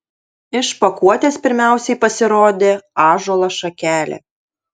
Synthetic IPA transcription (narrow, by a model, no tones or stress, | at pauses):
ɪʃpɐkuɔt̪ʲeːspʲɪɾʲmʲæˑʊsʲɛɪpɐsʲɪɾoːd̪ʲeːɑːʒuɔlˠɐʃɐkʲæːlʲḛː